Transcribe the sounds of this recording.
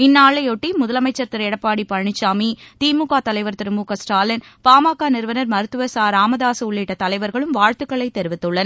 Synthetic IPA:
ɪnːaːɭɐɪɔʈːimʊðɐlɐmɐɪt͡ʃːɐɾt̪ɪɾɛɽɐpːaːɽipɐɻɳɪt͡ʃːaːmit̪iːmuːkaːt̪ɐlɐɪʋɐɾt̪ɪɾɯmuːkɐsʈaːlɐn | paːmaːkːaːnɪɾɯʋɐnɐɾmɐɾɯt̪ːɯʋɐsaːɾaːmɐðaːsɯʊɭːiʈːɐt̪ɐlɐɪʋɐɾɣɐɭɯmʋaːɻt̪ɯkːɐɭɐɪt̪ːɛɾɯʋɪt̪ːɯɭːɐnɐ

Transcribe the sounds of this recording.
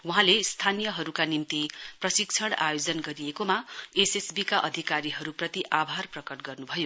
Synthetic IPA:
wuɦãlest̪ʰanijʌɦʌɾukanint̪iprʌsikt͡sʰʌɽa̰jod͡zʌnɡʌɾijekomaesesbikaʔʌd̪ʱikaɾiɦʌɾuprʌt̪iʔabʱarprʌkʌʈɡʌrnubʱʌjo

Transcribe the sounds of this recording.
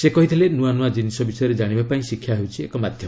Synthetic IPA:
sekɔɦit̪ʰilenuanuad͡ʒinisɔbisɔjɔɾed͡ʒaɽ̃ibapaĩsikʰjaɦewt͡ʃʰiekɔmad̪ʱjɔm

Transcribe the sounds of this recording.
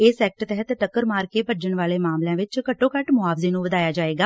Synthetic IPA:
eːsɛːk̚ʈt̪ɛɦət̪ʈəkːəɾmaːɾkeːpəd͡ʒəɳʋaːleːmaːmlãːʋɪt͡ʃkəʈːõːkəʈmʊaːfzeːnũːʋəd̪aːjaːd͡ʒaːeːɡaː

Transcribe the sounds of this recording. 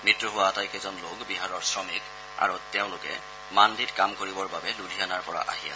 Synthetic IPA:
mitːɹɔɦʊwaːtajkezɔnlokbiɦaɹɔɹsɹɔmik | a̰ɹutɛʊ̃lʊkɛ̰ | manditkamkoɹibɔɹbabɛludʱijanaɹpɔɹa̰ʔa̰ɦija̰

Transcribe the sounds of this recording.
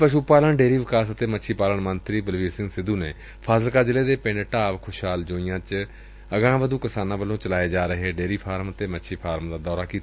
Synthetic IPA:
pəʃuːpaːləɳɖeːɾiːʋɪkaːsət̪eːmətːʃʰiːpaːləɳmənt̪ɾiːbəlʋiːɾsɪ̃ŋɡsɪd̪uːneː | pʰaːzəlkaːd͡ʒɪleːd̪eːpɪ̃ɳɖʈaːʋkʰʊʃɦaːld͡ʒoːɪjãːt͡ʃ | əɡãːʋəd̪uːkɪsaːnãːbəlːõːt͡ʃəlaːeːd͡ʒaːɾəɦeːɖeːɾiːpʰaːɾmət̪eːmətːʃʰiːpʰaːɾmd̪aːd̪ɔːɾaːkiːt̪ː

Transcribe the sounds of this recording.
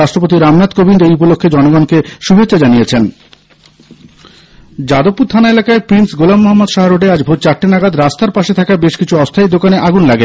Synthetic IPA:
aʃʈɾopot̪̬iɾamnat̪kobʱindejupolokʰːed͡ʑɔnoɡɔnkeʃubʱet͡ɕːɕad͡ʑanijet͡ɕʰen | d͡ʑad̪opːuɾt̪ʰanaelakaepɾinsɡolamːoɦamːod̪ʃaɦaɾoɖead͡ʑbʱot̪̚t͡ɕaʈːinaɡad̪ɾast̪aɾpaʃet̪ʰakabeʃkit͡ɕʰuɔst̪ʰajd̪okaneʔaɡunlaɡe

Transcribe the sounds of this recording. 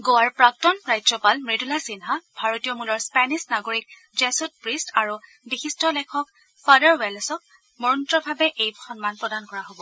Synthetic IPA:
ɡowaɹpɹak̚tɔnɹajzɔpalmɹidulasinɦab̥ʱaɹotijɔmulɔɹspɛnisnaɡoɹik̚ | zɛsut̚pɹistaɹu | bixistɔlɛkʰɔk | fʰadaɹwɛlsɔk̚ | mɔɹɔntɹɔbʱabɛʔejxɔnmanpɹɔdankɔɹaɦobɔ

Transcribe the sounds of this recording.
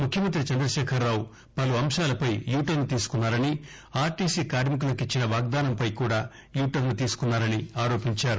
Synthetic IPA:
mukʰjɐmɐnt̪ɾit͡ʃɐnd̪ɾɐʃɛːkʰɐɾːaːw | pɐluɐmʂaːlɐpɐjjuːʈɐɾnut̪iːsu̥kunːaːɾɐni | aːɾʈiːsiːkaːɾmik̬ulɐkit͡ʃːinɐʋaːɡ̚d̪aːnɐmpɐjkuːɽaː | juːʈɐɾnut̪iːsu̥kunːaːɾɐniaːɾo̞ːpiɲt͡ʃaːɾu

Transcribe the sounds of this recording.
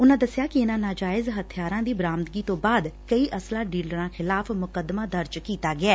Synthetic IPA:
ʊnãːd̪əsjaːkɪɪnãːnãːd͡ʒaːɪzɦət̪ʰɪjaːɾãːd̪iːbɾaːmt̪ɡiːt̪õːbaːd̪kəiːʔəslãːɖiːlɾãːxʰɪlaːpʰmʊkəd̪maːd̪əɾd͡ʒkiːt̪aːɡɪaː

